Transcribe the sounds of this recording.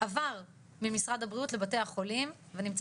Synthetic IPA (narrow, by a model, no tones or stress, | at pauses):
avaʁ | mimisʁadhabʁiutle̞bate̞jaχo̞lim | venimt͡s